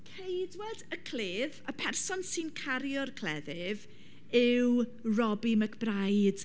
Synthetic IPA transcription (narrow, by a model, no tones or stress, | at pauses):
kʰejdwɛdəkʰl̥eːðəpʰɛrsɔnsɨnkʰaɾjɔrkʰl̥ɛðɪv | ɪwrɔbiməkʰb̥rajd̥